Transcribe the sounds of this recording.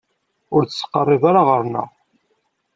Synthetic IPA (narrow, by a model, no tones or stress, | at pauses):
ʊɾt͡səsːə̥qːərˤːɪðaɾaʁəɾnə̰ʁ